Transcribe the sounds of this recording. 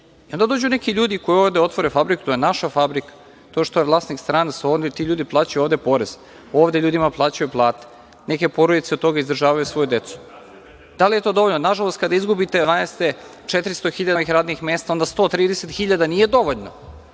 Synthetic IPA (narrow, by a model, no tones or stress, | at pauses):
io̞nd̪ad̪o̞ːd͡ʑunekiʎuːd̪ikojuoːʋd̪eo̞t̪ʋoɾefabɾiku̥t̪o̞jenaʃafabɾikḁ | t̪o̞ʃt̪ojevlˠaːsnikst̪ɾaːnasod̪et̪iʎuːd̪iplˠaːt͡ɕajuoːvd̪e̞po̞ɾez̥ | o̞ːʋd̪eʎuːd̪imaplˠaːt͡ɕajuplˠaːt̪e̥ | neke̞po̞ɾod̪it̪seot̪t̪ːo̞ɡaizd̪ɾʒaːʋajusʋo̞jud̪e̞t̪su̥ | d̪̥alije̞t̪o̞d̪oo̞ʎnonaʒalˠost̪̚kad̪aizɡubit̪e̞ʋaːnest̪e | t͡ʃet̪ɾist̪oxiʎad̪aʋixɾaːd̪nixmeːst̪ao̞nd̪ast̪o̞ːt̪ɾiːd̪eset̪xiʎad̪anije̞d̪o̞ʋo̞ʎno